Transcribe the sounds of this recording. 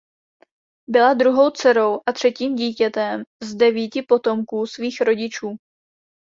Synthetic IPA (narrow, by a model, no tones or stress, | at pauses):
bɪlad̪ɾuɦo̞wt͡sɛɾo̞wʔat̪r̝̥ɛciːmɟiːcɛt̪ɛmzdɛviːcɪpo̞t̪o̞mkuːsviːxɾo̞ɟɪt͡ʃuː